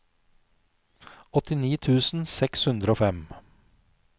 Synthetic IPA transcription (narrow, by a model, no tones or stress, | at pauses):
ɔt̪ɪniːt̪ʰʉːsn̩sɛkshʉnd̪ɾəoːfɛm